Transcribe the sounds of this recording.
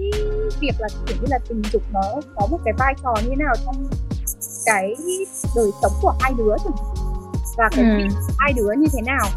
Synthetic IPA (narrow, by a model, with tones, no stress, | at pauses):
vi˨˩ək̚laː˨˩˨t͡ɕʰḭ˧˩əwɲɨ˧laː˨˩t̪ï˨˩ŋ̟zʊ˨˩k͡p̚məː˨˦kɔ˨˦mo˨˩t̚kaː˨˦jvaː˧jt͡ɕɔ˨˩ɲɨ˧e˨˦naː˨˩wt͡ɕɔ˧wŋ͡m | kaː˨˦j | ɗəː˨˩jsə˨˦wŋ͡mku˧˩əhaː˧jɗɨ˨˦ət͡ɕu˧˩ŋ˨˩vaː˨˩kaː˨˦˩jvi˨ə˩t̚haː˧jɗɨ˨˦əɲɨ˧t̪ʰe˨˦naː˨˩w